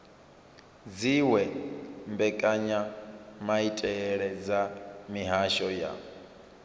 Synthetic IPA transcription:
d͡ziwɛmbɛkʼaɲamaitʼɛɺɛd͡zamiɦaʃɔja̰

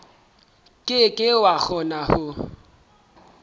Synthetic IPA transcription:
kʼɪkʼɪwak͡xʰɔnahʊ

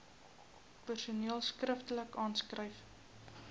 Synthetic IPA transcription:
pərsuniəlˠskrəftələkɑːnskrəjf

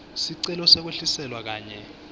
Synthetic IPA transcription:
siǀɛlɔsek̬weɬisɛlwak̬aːɲɛ

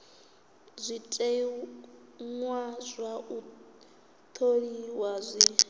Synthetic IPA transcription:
zʷitʼe | ŋwazʷau | t̪ʰoɺiwazʷi

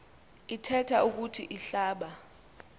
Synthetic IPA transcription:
itʰɛtʰauk̬utʰiʔiɬaːɓa

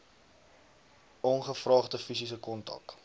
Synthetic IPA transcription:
ʔɔnχəfrɑːχdəfis̬is̬əkɔntɐ̰k

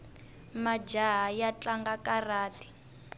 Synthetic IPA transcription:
mad͡ʒaɦajat͡ɬaŋɡakaraːti̥

